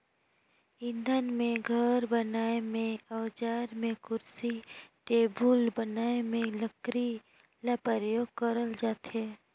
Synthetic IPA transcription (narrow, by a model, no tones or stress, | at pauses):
ɪ̃nd̪ʱənmẽɡʱəɾbənaːemẽəːd͡ʒaːɾmẽkʊɾsiʈeːbulbənaːemẽləkɾi | lapəɾəjoːɡ̚kəɾəld͡ʒaːt̪ɦɛː